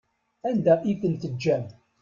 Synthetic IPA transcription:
ænd̪æʔikəlt̪əd͡ʒːæm

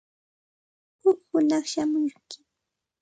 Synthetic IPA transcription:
hʊkhʊnɑχʃamʊjkɪ̥

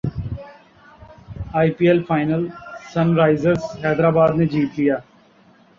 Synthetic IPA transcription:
aːɪpiːɛlfʰaːɪnəlsɐ̃nɾaːɪzəɾzɦɛːd̪ɾaːbaːd̪ned͡ʒiːt̪lijaː

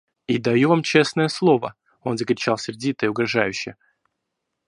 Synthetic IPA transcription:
id̪ɐjuvamt͡ɕe̞snəjəslˠo̞və̰ | o̞nzəkɾʲɪt͡ɕalˠsʲɪɾʲdʲit̪əɪʊɡɾɐʐajʉɕːɪjə

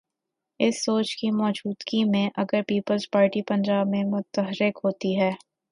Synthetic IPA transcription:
ɪsːoːt͡ʃkimɔːd͡ʒuːd̪ɡimẽʔɐɡəɾpiːpəlzpaːɾʈipɐ̃ɲd͡ʒaːbmẽmʊt̪əɦɾɪkɦoːt̪iɦɛː

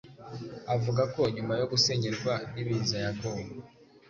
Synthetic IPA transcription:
avuɡako̞ɲumajo̞ɡuse̞ɲeɾɡwaniβizajaɡowo

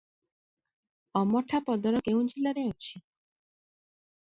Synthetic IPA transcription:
ɔmɔʈʰapɔd̪ɔɾɔkeũd͡ʒilaɾeot͡ʃʰi̥

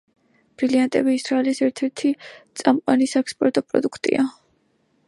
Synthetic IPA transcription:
b̥ɾiliant̪ʼɛbiːsɾaɛlisɛɾt̪ʰɛɾt̪ʰit̪sʼamqʼwanisɛkspʼɔɾt̪ʼɔpʼɾɔ̰d̪ukʰt̪ʼḭa

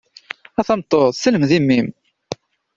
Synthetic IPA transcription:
æθɑmt̪ˤːosələmðimːim

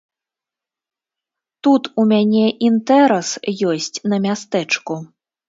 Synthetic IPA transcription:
t̪ut̪umʲanʲɛʔint̪ɛɾɐsjɔsʲt͡sʲnɐmʲast̪ɛt͡ʂku

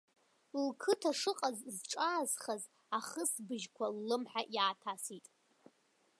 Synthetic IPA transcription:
lkʰɨtʰaʂɨqʼazzʈ͡ʂʼaːzχaz | aχəsbɨʒkʷʰalːɨmħaʔjaːtʰasitʼ

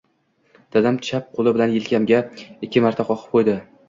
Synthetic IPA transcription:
d̪̥ad̪amt̪ʰɪ̥t͡ʃʃap̚qʰolˠɪbɪlanjɪlkʲʰamɡʲaɪkʲʰːɪmaɾt̪ʰaqʰɒqʰɨ̥p̚qʰojd̪ɪ

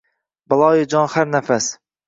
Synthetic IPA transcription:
bɑlˠɑːjɪd͡ʒɑnχæɾnɛfɛs

